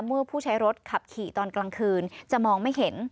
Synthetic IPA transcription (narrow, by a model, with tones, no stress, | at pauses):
mɯ˥˩əpʰuː˥˩t͡ɕʰa˦˥jɾo˦˥t̪̚kʰa˨˩p̚kʰiː˨˩t̪ɔː˧nklaː˧ŋkʰɯː˧nt͡ɕa˨˩mɔː˧ŋma˥˩jɦe˩˦n